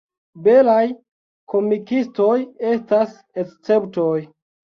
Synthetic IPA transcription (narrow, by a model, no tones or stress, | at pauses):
be̞laj | kʰo̞mikisto̞je̞stas | est͡se̞pto̞j